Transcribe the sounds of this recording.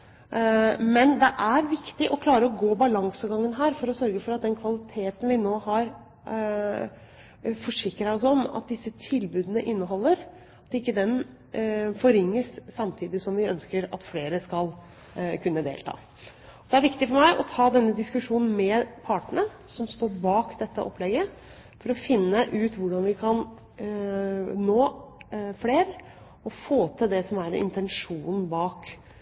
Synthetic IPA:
mɛnd̪ɛʔæɾʋɪkt̪ɪʔɔkʰlɑːɾəɔɡoːbɑlɑŋsəɡɑŋːənɦæːɾfɔɾɔsœɾɡəfɔɾɑt̪̚d̪ɛnkʰʋɑlɪt̪ʰeːt̪ən̩ʋɪnoːhɑɾ | fɔʂɪkɾɑɔsɔmɑ̰t̪̚d̪ɪsːət̪ʰɪlbʉːd̪ənəʔɪnːəɦɔlːəɾ | ɑt̪ɪkːəd̪ɛn | fɔɾɪŋːəssɑmt̪ʰiːd̪ɪsɔmʋɪœnskəɾɑ̰t̪fleːɾəskɑl | kʰʉnːəd̪ḛːlt̪ʰɑ̰ː | ɔd̪ɛæɾʋɪkt̪ɪfɔɾmæɪʔɔt̪ʰɑːd̪ɛnːəd̪ɪskʉʂuːnn̩mɛpʰɑːʈɳəsɔmst̪oːɾbɑːkd̪ɛt̪ːəʔɔ̰plɛɡːə | fɔɾɔfɪnːəʔʉːt̪ʋʊɖɑnʋɪkʰɑn | noː | fleːɾ | ɔfoːt̪ʰəd̪ɛsɔmæɾɪ̰nt̪ɛnʂuːnbɑːk

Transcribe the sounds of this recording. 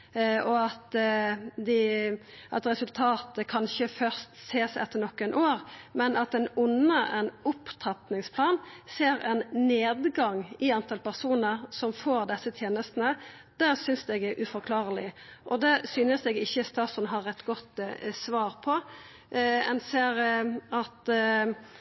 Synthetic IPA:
ɔɑt̪ | d̪ɪʔɑt̪ɾɛsʉlt̪ʰɑːt̪əkʰɑnɪçəfœɾst̪seːsɛ̰t̪ːəɾnɔkːɛnʔoːɾmɛnɑt̪ɛnʊnːəʔɛnʊpːt̪ʰɑt̪nɪŋspʰlɑːnseːɾɛnneːd̪ɡɑŋɪɑnt̪ʰɑlpæʁsuːnəɾsɔmfoːɾd̪ɛsːət̪ʰjeːnəst̪ənə | d̪̥æʁsʏnsd̪ɛɡɛʔʉfɔɾkʰlɑːɾəlɪʔɔd̪ɛsyːnəsd̪ɛɡɪçːəst̪ɑːsʊnɦɑɾɛt̪ːɡɔt̪sʋɑːɾpʰɔ | ɛ̰nseːɾɑt̪

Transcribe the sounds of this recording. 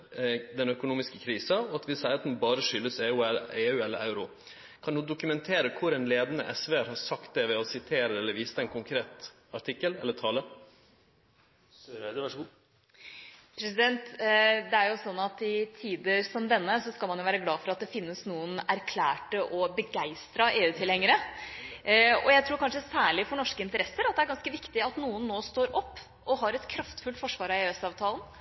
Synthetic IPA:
d̪ɛnœkʊnuːmɪskəkʰɾiːsɑɔɑt̪ʋɪsæɪət̪n̩bɑːɾəʂʏlːəseːʉɛeːʉːɛlːə̰ʔaʉɾʊ | kʰɑnd̪uːd̪ʊkʉmɛnt̪ʰeːɾəkʰʊɾɛnleːd̪ənə̰ʔɛsʋeːɾhɑɾsɑkt̪̚d̪ɛʋɛɔsɪt̪ʰeːɾəɛlːəɾʋiːsəɛnkʊŋkʰɾeːt̪ | ɑʈʰɪkːəlɛlːət̪ʰɑːlə | pʰɾɛsɪd̪ɛnt̪d̪ɛæɾjʊsɔnːɑt̪ɪt̪ʰiːd̪əsɔmd̪ɛnːəsɔskɑlmɑnjʊʋæːɾəɡlɑːfɔɾɑt̪̚d̪ɛfɪnːəsnuːənæɾkʰlæːʈəʔɔbəɡæɪst̪ɾɑʔeːʉːt̪ʰɪlhɛŋːəɾə | ɔjæɪt̪ʰɾuːɾkʰɑnʂəsæːɭɪfɔɳɔʂkəɪnt̪əɾɛsːəɾɑt̪̚d̪ɛæɾɡɑnskəʋɪkt̪ɪɑt̪nuːənːoːst̪oːɾʔɔpː | ɔɦɑɾɛt̪kʰɾɑft̪fʉlt̪fɔʂʋɑːɾɑeːɛsɑːʋt̪ʰɑːln

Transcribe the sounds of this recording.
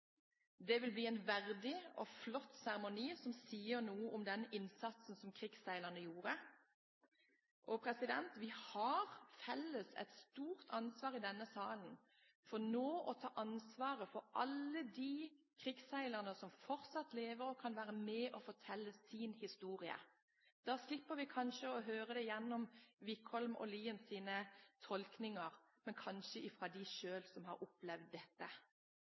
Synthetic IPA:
d̪ɛʋɪlbliːɛnʋæʁd̪ɪɔflɔt̪ːsæʁɛmʊniːsɔmsiːəɾnuːəʔɔmd̪ɛnɪnsɑt̪sn̩sɔmkʰɾɪɡsæɪləʁnəjuːʁə | ʔɔpʰɾɛsɪd̪ɛnt̪ʋɪhɑɾfɛlːəsɛ̰t̪st̪uːʁt̪ʰɑnsʋɑːʁɪd̪ɛnːəsɑːlən̩ | fɔnoːʔɔt̪ʰɑːʔɑnsʋɑːʁəfɔɾʔɑlːəd̪iː | kʰɾɪɡsæɪləʁənəsɔmfɔɾt̪sɑt̪leːʋəɾɔkʰɑnʋæːɾəmɛʔɔfɔt̪ʰɛlːəsiːnhɪst̪uːɾɪə̰ | d̪̥ɑːslɪpːəɾʋɪkʰɑnʃəɔɦøːʁəd̪ɛjɛnːɔmʋɪkhɔlmɔ̰liːənsiːnət̪ʰɔlknɪŋəɾ | mɛnkʰɑnʃəʔɪfʁɑd̪ɪʃøːlsɔmhɑ̰ɾʊplɛʋd̪ːɛt̪ːə

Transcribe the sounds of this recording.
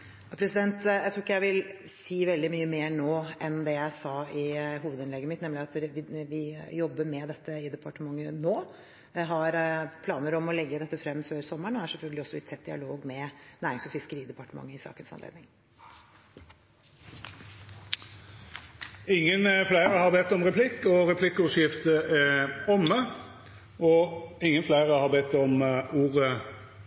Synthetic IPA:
jɑpʰɾɛsɪd̪ɛnt̪jæɪt̪ʰukːjæɪʋɪl | siːʋɛld̪ɪmyːəmeːɳoːʔɛnd̪ɛjæɪsɑɪɦuːʋəd̪ɪnlɛɡːəmɪt̪nɛmlɪɑt̪ʋɪʋɪjɔbːəɾmɛd̪ɛt̪ːəɪd̪ɛpʰɑʈəmɑŋːənoː | ɦɑɾpʰlɑːnəɾɔmɔlɛɡːəd̪ɛt̪ːəfɾɛmːføːɾsɔmːəɳɔæʂɛlfœlɡəlɪɔsːɔɪt̪ʰɛt̪̚d̪ɪɑ̰loːɡmɛnæːɾɪŋsɔfɪskəɾiːd̪ɛpɑʈəmɑ̰ŋːəɪsɑ̰ːkənsɑnlḛːd̪nɪŋ | ɪŋːənflæɪɾəhɑʁbɛt̪ːɔmʁɛpʰlɪkːɔɾɛpʰlɪkːəʉʂjɪft̪əɛɔmːə | ɔɪŋːənflæɪʁəhɑʁbɛt̪ːɔmuːʁə

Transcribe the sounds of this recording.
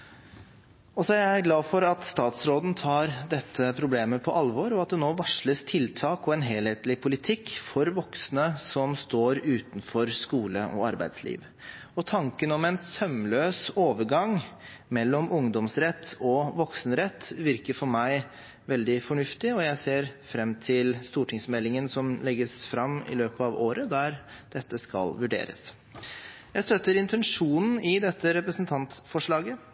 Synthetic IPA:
ɔsɔææɾɡlɑːfɔɾɑt̪st̪ɑːt̪sɾoːd̪n̩t̪ʰɑːɾd̪ɛt̪ʰːəpʰɾʊbleːməpʰɔʔɑlʋɔɾɔɑt̪̚d̪ɛnoːʋɑʂɭəst̪ʰɪlt̪ʰɑːkɔɛnɦeːlheːt̪lɪpʰʊlɪt̪ʰɪkːfɔɾʋɔksnəsɔmst̪oːɾʉːt̪n̩fɔɾskuːlə̰ʔɔ̰ɑɾbæ̰ɪd̪slḭːʋ | ɔt̪ʰɑŋkənɔmɛnsœmløːsoːʋəɾɡɑŋ | mɛlːɔmʊŋd̪ɔmsɾɛt̪ʰːɔʋɔksnɾɛt̪ːʋɪɾkəɾfɔɾmæɪ | ʋɛld̪ɪfɔɳʉft̪ɪɔjæɪseːɾfɾɛmːt̪ʰɪlst̪uːʈʰɪŋsmɛlːɪŋənsɔmlɛɡːəsfɾɑmɪ̰løːpəɑʋoːɾəd̪æɾd̪̥ɛt̪ːəskɑ̰lʋʉɖḛːɾə̰s | jæɪst̪œt̪ːəɾɪnt̪ʰɛnʂuːnn̩ɪd̪ɛt̪ːəɾɛpɾəsn̩t̪ʰɑnt̪fɔʂɭɑːɡə

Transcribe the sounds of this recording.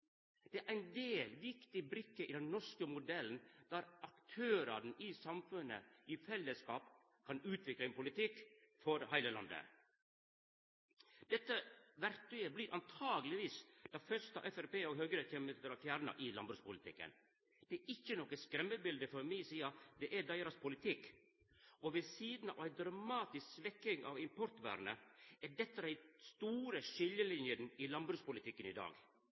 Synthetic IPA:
d̪̥ɛæɾʔæɪnd̪eːlʋɪkt̪ɪbɾɪkːəʔɪd̪ɛnnɔʂkəmʊd̪ɛln̩d̪̥æːɾʔɑkt̪ʰøːɾɑɾn̩ɪsɑmfʉnːə̰ɪfɛlːəskɑːp | kʰɑnʉːt̪ʰʋɪkləɛnpʊlɪt̪ʰɪkːfɔɾhæɪləlɑ̰nd̪ə̰ | d̪̥ɛt̪ːəʋæɾt̪ʉəbliːɾʔɑ̰nt̪ʰɑːɡəlɪʋiːsd̪̥ɑfœʂt̪ɑ̰ʔɛfæɾpeːɔɡɦøːɡəɾəçɛməəɾɑfjæːɾnɑ̰ʔɪlɑ̰nbɾʉːspʊlɪt̪ʰɪ̰kːə̰n | d̪̥ɛːɾʔɪçːənoːkəskɾɛmːəbɪld̪əfɔɾmiɪsiːɑd̪ɛʔæd̪æɪɾɑspʰʊlɪt̪ʰɪkː | ɔʋɛsiːd̪n̩ɑ̰ʋæɪd̪ɾɑmɑːt̪ɪsksʋɛkːɪŋɑ̰ʋɪmpʰɔɾt̪ʋæ̰ːɾnəæɖɛt̪ːəd̪æɪst̪uːɾəʃɪljəlɪnjənɪlɑnbɾʉːspʊlɪt̪ʰɪkːənɪd̪ɑ̰ːɡ

